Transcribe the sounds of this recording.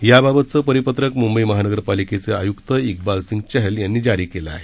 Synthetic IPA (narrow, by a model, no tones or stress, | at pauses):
jababət̪̚t͡səpəɾipət̪ɾəkmumbəiməɦanəɡəɾpaliket͡sea̰jukt̪əik̚balsiŋɡt͡ɕɛɦeljanːiːd͡ʑaɾiːkelaa̰ːɦe